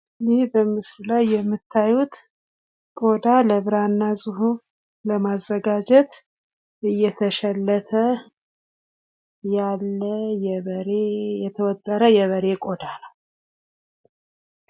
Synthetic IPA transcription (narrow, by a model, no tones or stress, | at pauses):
lɪhbəmɨsɾlajːɛmːɨt̪ʰːajut̪ | kʼo̞d̪aləβɨɾanːazɨhu | ləmazːəɡad͡ʒɛt̪ | ɨjːɛt̪ʰəʃɛlːət̪ʰə | jalːəjɛβəɾejɛt̪ʰəwɔt̪ʼːəɾəjɛβəɾe̞kʼo̞d̪anəw